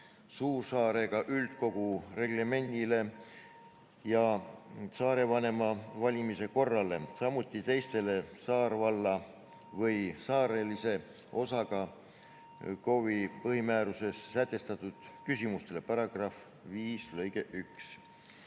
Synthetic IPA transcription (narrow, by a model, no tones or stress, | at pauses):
suːrsɑːɾe̞ɡ̥ɑʔylt̪̚ko̞ɡ̥ure̞ɡ̥leme̞nd̪ile̞ | jɑ | sɑːɾe̞vɑne̞mɑvɑlʲimise̞ko̞rːɑle̞sɑmut̪ːˑit̪e̞jst̪e̞le̞sɑːɾvɑlːɑ | vɤjsɑːɾelise̞ | o̞sɑɡ̥ɑ | ko̞vipɤɦimæːɾuse̞sːæt̪ːˑe̞st̪ɑt̪ːˑud̪̥kysimust̪e̞le̞pɑɾɑɡ̥rɑf | viːslɤjɡe̞ʔyks